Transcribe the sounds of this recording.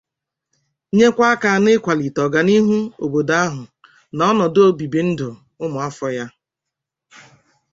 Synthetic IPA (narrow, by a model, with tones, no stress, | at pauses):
ɲe˦kʷa˦ka˨˦˨nɪ˦kʷa˨li˨tɔ˨ɡa˨ni˦ɦu˦o˨bo˨da˦ɦʊ˨ | nɔ˦nɔ˨do˦bi˨bi˨n̩˦dʊ˨ | ʊ˦mʊ˨a˦fɔ˦ja˦